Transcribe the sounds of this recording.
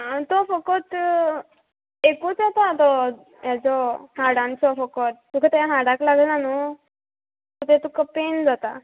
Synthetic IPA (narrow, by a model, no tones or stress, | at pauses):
t̪ɔfəkɔt̪ | ekut͡sat̪at̪ɔ | jad͡zɔhaɽãnt͡sɔfəkɔt̪̚ːukʰat̪aaɦaɽaklaɡʱlanu | t̪ɔt̪ɛt̪ukʰapend͡zat̪a